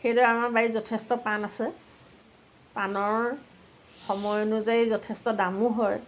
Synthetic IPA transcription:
xejdɔamaɹbaizɔtʰɛstɔpanasɛ | panɔɹ | xɔmɔjnʊzajzɔtʰestɔdamuɦɔj

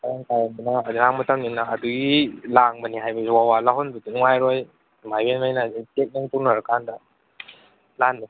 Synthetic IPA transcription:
kaɾaŋkajandunaːdunaŋmɐtamninaːduɡilaŋbɐniɦajbɐsiwawalaɦɔnbudunuŋajɾoj | majwenmajnaditek̚niŋtunaɾakandɐ | lanːi

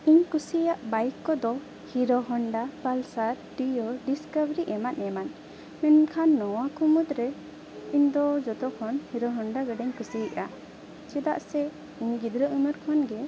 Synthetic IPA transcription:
iɲkusijaʔbajkːɔd̪ɔ | hiɾɔɦɔɳɖapalsaɾʈijɔɖiskabɾiʔɛmanɛman | mɛnkʰanːɔwakumud̪ɾɛ | iɲd̪ɔd͡ʒɔt̪ɔkʰɔnhiɾɔɦɔɳɖaɡɛɖɛɲkusiiʔa | t͡ʃɛd̪a̰ʔsɛ | iɲɡid̪ɾəʔumɔɾkʰɔnɡɛ

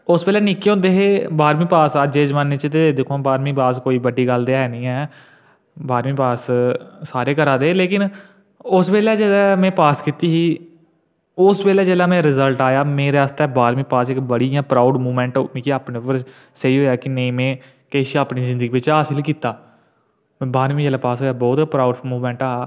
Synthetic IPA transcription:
ʊsbeːlɛːnɪkːeõːnd̪eːɦeːbaːɾmĩːpaːsad͡ʒeːd͡ʒmanːeːt͡ʃt̪ed̪ekʰõːbaːɾmiːpaːskoːiːbəɖiːɡəld̪eːɛːnĩːɛː | baːɾmĩːpaːsː | aːɾeːkəɾaːd̪eːleːkɪn | ʊsʋeːlɛːd͡ʒeːlɛːmɛ̃ːpaːskɪt̪iːɦiː | ʊsʋeːlɛːd͡ʒeːlaːmɛ̃ːɾɪzəlʈaːjaːmeːɾeaːst̪ɛːbaːɾmĩːpaːsɪkbəɽiãːpɾaːʊɖmuːmɛ̃ːɳʈomĩːkiaːpnẽːpəɾ | səiːɦoːɛːkɪneĩːmẽː | keːʃiaːpniːzɪ̃nd̪əɡiːʋɪt͡ʃɦaːsɪlkiːt̪aː | mːbaːɾmĩːd͡ʒeːlaːpaːsɦoːaːbɔːt̪pɾaːʊɖmuːmɛ̃ːɳʈaːaː

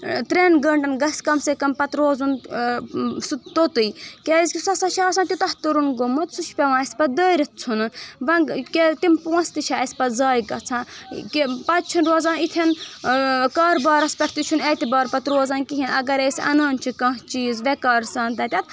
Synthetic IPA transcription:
t̪ɾeːnɡɐɳɖɐnɡɐsʲkɐmsekɐmpɐt̪ɾoːzun | sut̪ot̪ɨjkʲeizʲkʲisɐsɐʃʰaːsãːnt̪ʲit̪ɐht̪uɾunɡomɨt̪sut͡ʃʰpʲeʋãːɐsʲpɐd̪əːɾit̪̚t͡sʰunɨʋɐnket̪impuɐ̃nst̪iʃʰaːɐsʲpɐzaːjkɐt͡sʰãːkipɐt̪̚t͡ʃʰinɾoːzãːnit̪ʰɐn | kaːɾbaːɾɐspɐʈʰt̪it͡ʃʰunɐːt̪ʲibaːɾpɐt̪ɾoːzaːnkiɦinɐɡɐɾeːsʲɐ̰naːnt͡ʃʰikɐɦt͡ʃiːzʋekaːɾsaːnt̪ɐt̪ʲɐt̪̚

